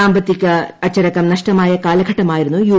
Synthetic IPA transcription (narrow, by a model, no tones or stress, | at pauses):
aːmbɐt̪ikɐɐt͡ʃɐɾɐkɐmnɐʂʈɐmaːjɐkaːlɐɡʱɐʈɐmaːjiɾɐnujuː